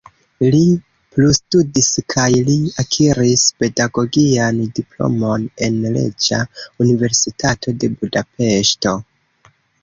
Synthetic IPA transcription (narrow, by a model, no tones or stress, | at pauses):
li | plustudiskʰajliakʰiɾispe̞daɡo̞ɡiandiplo̞̰mo̞ne̞nle̞̰d͡ʒaunive̞ɾsitʰatʰo̞de̞budape̞ʃto̞